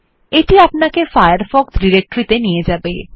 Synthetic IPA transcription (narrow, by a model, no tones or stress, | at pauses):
eʈiapnakefajəɾfɔkt̪ɖiɾek̚ʈɾit̪enijed͡ʑaːbe